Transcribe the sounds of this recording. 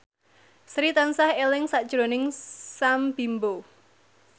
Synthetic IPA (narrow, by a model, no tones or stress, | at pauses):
sɾit̪ansahelɪŋsaʔd̥ʒ̥ɾonɪŋsamb̥imbo